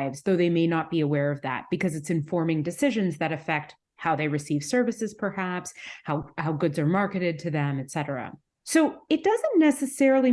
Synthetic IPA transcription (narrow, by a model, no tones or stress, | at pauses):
ɪvzðoʊðeɪmeɪnət̚b̥iəwɛɹʌvðæ̰t̚b̥ɨkʰʌzɨtsɨ̃ɱfɔɹmɪ̃ŋdɨsɪʒɨ̃nzðɨɾɨfɛk̚t̚ | haʊðeɪɹɨsiv̥sɜ˞vɨsɨz̥pʰə˞hæpshaʊhaʊɡʊdzə˞mɑɹkɨɾɪd̚tʰɨðɨ̃mɨtsɛɾə˞ə̰ | soʊɨt̚d̥ʌzə̃nːɛsɨsɛɹl̩ˠi